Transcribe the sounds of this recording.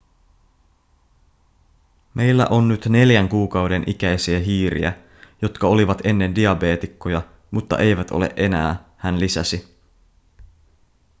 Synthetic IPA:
mʔe̞jlːæ̰ʔo̞nːyt̪ne̞ljæŋkuːkɑwde̞nʔikæjsiæɦiːɾḭæ̰ | jo̞t̪kɑo̞liʋɑt̪e̞nːe̞ndiɑbe̞ːt̪ikːojɑ | mut̪ːɑ̰ʔe̞jʋæt̪o̞̰le̞̰ʔe̞næ̰ːhænlisæsi

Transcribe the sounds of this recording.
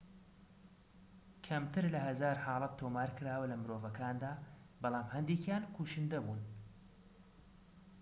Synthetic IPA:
kʰɐmt̪ʰɨɾlɐhɐzaːɾħɑːlˠɐt̪ʰːoːmaːɾkɨɾaːwɐlɐmɨɾoːvɐkʰaːnd̪aː | bɑlˠɑːmhɐnd̪eːkjaːnkʰuʃɨnd̪ɐbuːn

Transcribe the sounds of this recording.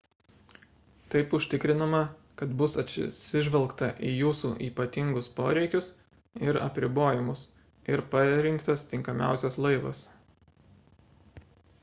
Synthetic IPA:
t̪ɐɪpʊʃʲt̪ʲɪkɾʲɪnɐmɐ | kɐt̪bʊsɐt̪ʲsʲsʲɪʒʲʋɛlˠkt̪ɐʔiːjuːsuːʔiːpɐt̪ʲɪŋɡʊspoːɾʲɛɪkʲʊs | ɪɾɐ̰pʲɾʲɪboːjɪmʊs | ɪɾpɐɾʲɪŋkt̪ɐst̪ʲɪŋkɐmʲæˑʊsʲɛslˠɐɪʋɐ̰s

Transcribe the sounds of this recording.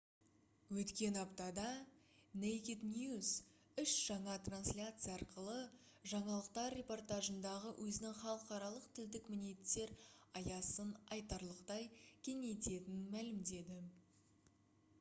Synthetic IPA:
wɵt̪kʲe̞nɑpt̪ɑd̪ɑ | nejkʲit̪nʲjuz | ʏʃʒ̥ɑɴɑt̪ranslʲat̪sɨjɑɑɾqəlˠəʒɑɴɑlˠəq̚t̪ɑrːe̞po̞rt̪aʒənd̪ɑʁəwʔɵzɪnɪŋχɑlˠəqɑɾɑlˠəqt̪ʰɪld̪ɪkmɪne̞t̪ːe̞ɾɑjɑsənɑjt̪ɑɾlˠəqt̪ɑjkʲʰe̞ŋe̞t̪e̞t̪ɪnmælɪmd̪e̞d̪ɪ

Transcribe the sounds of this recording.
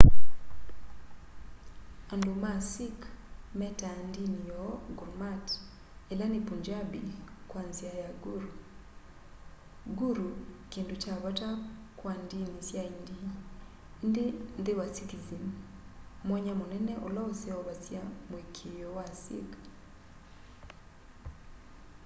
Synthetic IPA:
andomasɪkmɛtandinijɔɡuɾmat | ɛlanipuɲd͡ʒabikwanzijajaɡuɾu | ɡuɾukindot͡ʃaβatakwandinisjaindi | ndend̪ewasitizim | mwaɲamonɛnɛʔɔlaosɛɔβasjamwekʰejɔwasḭk

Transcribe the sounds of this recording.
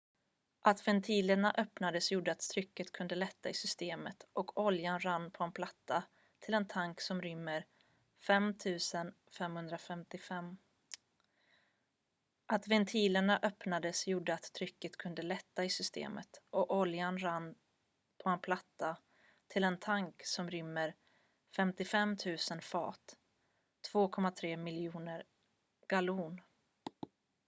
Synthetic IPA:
ʔat̪vɛnt̪ʰiːləɳaʔœpnad̪əsjuːɖəat̪t̪ʰɾʏkːət̪kʰɵnd̪əlɛt̪ːaɪsʏst̪eːmət̪ʔɔkʰɔljanɾanːpʰɔɛnpʰlat̪ʰːa | t̪ʰɪlɛnt̪ʰaŋksɔmɾʏmːəɾ | fɛmt̪ʰʉ̟ːsən | fɛmhɵnd̪ɾafɛmt̪ɪfɛmː | ʔat̪vɛnt̪ʰiːləɳaʔœpnad̪əsjuːɖːəat̪ʰːɾʏkːət̪kʰɵnd̪əlɛt̪ːaɪsʏst̪ḛːmə̰t̪ʔɔʔɔljanɾan | pʰɔɛnpʰlat̪ːa | t̪ʰɪlɛnt̪ʰaŋksɔmɾʏmːəɾ | fɛmt̪ɪfɛmt̪ʰʉ̟ːsənfɑ̰ːt̪ʰː | v̥oːkʰɔmːat̪ʰɾeːmɪljuːnəɾ | ɡ̥aluːn

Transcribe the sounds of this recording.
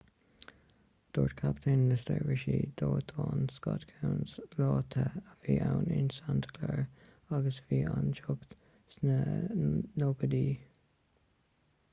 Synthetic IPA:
d̪̥oːɹtkʰapt̪ʰenlɪst̪əɹɹɪʃid̪̥oːt̪ʰoːnskɑt̪kʰawnslɑːt̪ʰəəviːʔawnɪnsant̪ʰə̥kʰlɛɹ | aɡəsviːʔand͡ʒoɡt̪ | snə | noɡəd̪iː

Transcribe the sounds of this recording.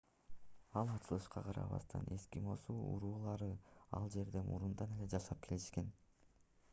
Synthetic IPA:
ɑlˠɑt͡ʃɯlˠɯʃqɑqʰɑɾɑ̰βɑ̰st̪ʰɑ̰ne̞skimo̞suːṵɾuːlˠɑɾɯɑ̰lˠd͡ʒe̞ɾd̪e̞mʔṵɾund̪ɑne̞le̞d͡ʒɑʃɑp̚kʰe̞liʃke̞n

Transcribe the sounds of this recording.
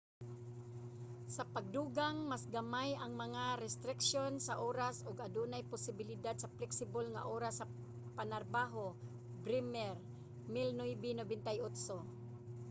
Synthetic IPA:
sɐpaɡ̚d̪uːɡaŋmasɡɐmajɐŋmɐŋaɾɛst̪ɾɪkʃjonsaʔoːɾasʊɡad̪uːnajpʊsɪbɪlɪd̪ad̪sɐplɛksɪbolŋa̰ʔoːɾasːɐ | panaɾbaːɦo | bɾɪmɛɾ | mɪlnojbɪnobɪnt̪ajʊt̪so

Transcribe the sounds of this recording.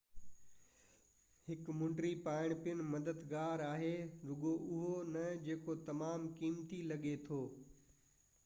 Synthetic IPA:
hɪkmʊ̃ɳʈɾipaːɪɽ̃pijʊnɪ̆mɐd̪əd̪ɡaːɾaːɦeɾʊɠoʔʊɦonɐd͡ʑeːkot̪ɐmaːmkiːmt̪ilɐɠet̪ʰoː

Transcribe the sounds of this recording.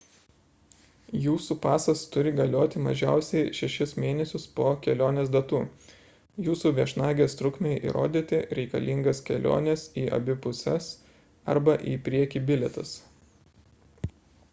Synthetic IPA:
juːsuːpɑːsɐst̪ʊɾʲɪɡɐlʲoːt̪ʲɪmɐ̰ʒʲæˑʊsʲɛɪʃʲɛʃʲɪsmʲeːnʲɛsʲʊspoːkʲɛlʲoːnʲeːsd̪ɐt̪uː | juːsuːʋʲiɛʃnɑːɡʲeːst̪ɾʊkmʲeɪʔḭːɾo̰ːd̪ʲiːt̪ʲɪɾʲɛɪkɐ̰lʲiŋɡɐskʲɛ̰lʲo̰ːnʲɛsiːʔɐ̰bʲɪpʊsʲɛs | ɐ̰ɾbɐʔiːpʲɾʲiɛkʲiːbʲɪlʲɛt̪ɐs

